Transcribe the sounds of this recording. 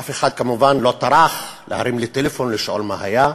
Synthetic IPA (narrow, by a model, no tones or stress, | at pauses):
afeχad̪̚kamuvanlo̞t̪aɾaχlʔea̰ɾimlet̪elefo̞nliʃʔo̰lmaɦaja